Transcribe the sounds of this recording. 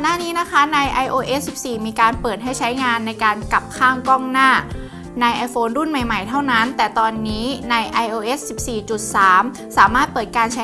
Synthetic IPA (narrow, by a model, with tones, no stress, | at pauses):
kɔ˨˩nːaː˥˩niː˦˥na˦˥kʰa˦˥na˧jʔa˧jʔoː˧ʔe˦˥ssi˨˩p̚siː˨˩miː˧kaː˧npɤː˨˩t̪̚ɦa˥˩jt͡ɕʰa˦˥jŋaː˧nːa˧jkaː˧nka˨˩p̚kʰaː˥˩ŋkɔː˥˩ŋnaː˥˩ | na˧jʔa˧˥jfʰoː˧ndu˥˩nma˨˩jma˨˩jt̪ʰa˥˩wna˦˥nt̪ɛː˨˩t̪ɔː˧nːiː˦˥na˧jʔa˧jʔoː˧ʔe˦˥ssi˨˩p̚siː˨˩t͡ɕu˨˩t̪̚saː˩˦m | saː˩˦maː˥˩t̪̚pɤː˨˩t̪̚kaː˧nt͡ɕʰa˦˥